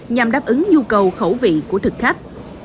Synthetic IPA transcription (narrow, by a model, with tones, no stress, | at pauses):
ɲa˨˩mɗaː˦˥p̚ʔɨ˨˦ŋɲu˧kə˨˩wxə˧˩wvḭ˧˨ku˧˩ət̪ʰɨ˨˩k̚xa˦˥jk̟̚